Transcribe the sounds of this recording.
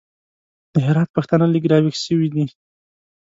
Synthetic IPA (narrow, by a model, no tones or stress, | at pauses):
d̪̥əɦɪɾɑt̪̚paxt̪analiɡɾɑwixʃəwid̪i